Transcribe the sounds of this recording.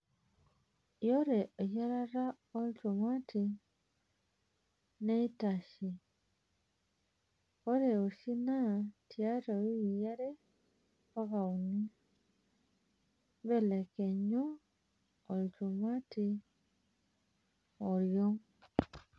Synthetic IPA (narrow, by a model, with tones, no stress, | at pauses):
jo˦ɾe˨ʔo˨ja˦ɾa˦ɾa˦ | o˦li˦to˨mwa˦ti | ne˦i˦ta˨ʃi˨ | o˦ɾe˨o˨si˦na˦tja˦ɾo˨i˦˨ja˦ɾe˦ | pa˦ɣa˨u˨ni˦ | βe˦le˨ke˨ɲu˦ | o˨ɾi˨tu˨mwa˦ti˦ | o˨ɾjo˦